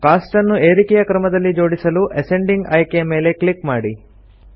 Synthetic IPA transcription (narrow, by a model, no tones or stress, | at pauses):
kaːsʈɐnːueːɾikɛjɐkɾɐmɐd̪ɐlːid͡ʒo̞ːɽisɐluʔɐseɳɖiŋɡɐjkejɐme̞ːle̞klikmaːɽi